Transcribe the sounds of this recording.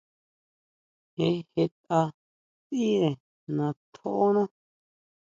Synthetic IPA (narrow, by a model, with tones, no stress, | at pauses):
he˨he˧t̪ʼa˧ | t͡sʼi˦e˨ | nã˨t̪ʰo˦ʔnã˦